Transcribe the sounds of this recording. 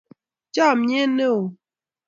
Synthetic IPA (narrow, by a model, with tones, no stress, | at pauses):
t͡ʃa˦˨me˦ne˦o˨